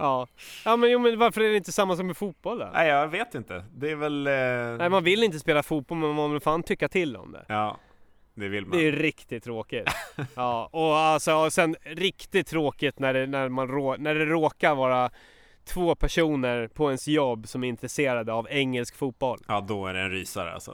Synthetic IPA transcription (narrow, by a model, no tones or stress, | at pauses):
ʔɑːjɑːmɛnjuːmɛnvaɾfœɾæɖɛɪnt̪əsamːasɔkmɛfuːt̪̚bɔlːə̰næ̰ɪjɑveːt̪ɪnt̪ə̰d̪ɛævɛlæɪmanvɪlːɪnt̪əspeːlafuːt̪̚bɔlmɛnmanmɔvɪlfaːnt̪ʰʏkːat̪ʰɪlːɔ̰md̪ɛ̰ɑː | d̪ɛvɪlmd̪ɛjɾɪkt̪ɪt̪ʰːɾoːkɪt̪ɑːɔalsɔsɛnɾɪkt̪ɪt̪ʰːɾoːkɪt̪næɖɛnæɾmanɾoːnæɖɛɾoːkaɾvɑːɾa | t̪ʰvoːpʰæʂuːnəɾpʰɔɛnsjɔbːsɔmæɾɪnt̪ɾɛseːɾad̪əavɛŋːɛlskfuːt̪̚bɔlɑːd̪ɔæ̰ɖɛɛnɾḭːsa̰ɾ̰a̰lsɔ̰